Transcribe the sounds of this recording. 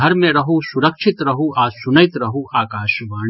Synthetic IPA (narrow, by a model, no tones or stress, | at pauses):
ɐɾmẽɾɐɦusʊɾəkʃʰɪt̪ɾɐɦuʔaːsʊnəɪt̪ɾɐɦuʔaːkaːʃʋaː